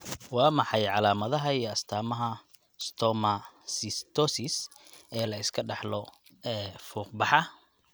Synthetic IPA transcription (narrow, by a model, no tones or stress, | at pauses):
wɑːmɑħɑjʕɑlaːmɐðɐɦɐijɐst̪ʰaːmɐɦɐ | st̪ʰɔmɐsɪst̪ʰɔsɪs | ɛːlɐɪskʰɐɖɑħlɔ | ɛːfuːq̚bɑħɑ